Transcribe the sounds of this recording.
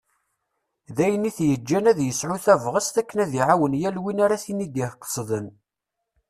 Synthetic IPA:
ðæjəniθjəd͡ʒːænæðjəsʕʊθævʁəst̪ækːənæðiʕawənjælwinaɾæθinid̪ihqːə̥sˤðən

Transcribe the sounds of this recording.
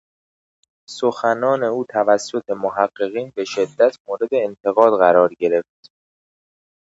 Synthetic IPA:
soxænɒːne̞uːt̪ʰævæsːo̞t̪ʰe̞moɦæɢːe̞ɣiːnbe̞ʃe̞d̪ːæt̪ʰmoːɾe̞d̪e̞ːnt̪ʰe̞ɣɒːd̪ɣæɾɒːɾɟe̞ɾe̞ft̪

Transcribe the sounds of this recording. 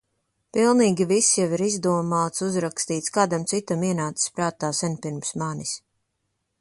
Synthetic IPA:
pilˠniːɡʲivisjaviɾizd̪uɔmaːt̪suzɾakst̪iːt̪skaːd̪amt̪sit̪amiɛnaːt̪i̥spɾaːt̪aːsɛnʲpiɾmsmanis

